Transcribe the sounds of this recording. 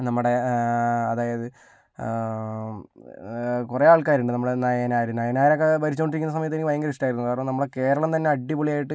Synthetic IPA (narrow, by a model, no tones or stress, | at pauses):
nɐmːuɽe̞ | ɐðaːjɐðɨ | kureaːɭkaːɾuɳɖɨnɐmːuɽenɐjɐnaːjɾunɐjɐnaːjɐɾɐkːebɐɾit͡ɕːuoɳɖiɾikʲːnːɐs̬ɐmɐjɐt̪ːikʲːiʋɐjɐŋɡɐɾisʈaːjiɾuukaːɾɐnomnɐmːɐɭeke̞ːɾɐɭɐmt̪ɐnːe̞ɐɖːipuɭijaːjiʈːɨ